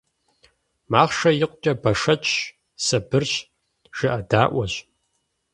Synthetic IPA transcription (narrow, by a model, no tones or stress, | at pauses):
maːχʂɐjɪqʷʼʊt͡ʃʼɐbɐʂɐt͡ʃʼ | sɐbɨrɕ | ʒ̥ɨʔɐdaːʔʷɔɕ